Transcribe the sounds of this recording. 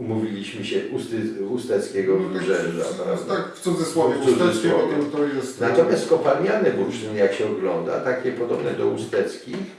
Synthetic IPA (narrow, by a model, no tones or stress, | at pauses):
umuvʲilʲiɕmɘɕɛʔust̪ɨust̪ɛt̪skʲɛɡɔvluʐɛʐa̰ɾavd̪akft̪sud̪zɛswɔvjɛsuud̪zɛsɔvɛt̪ɔjɛst̪nat̪ɔmjast̪kɔpalɲʲjanɛbuɾʐɨnjakɕɛɔɡlɔnd̪a̰t̪akʲɛpɔd̪ɔbnɛd̪ɔust̪ɛt̪skʲix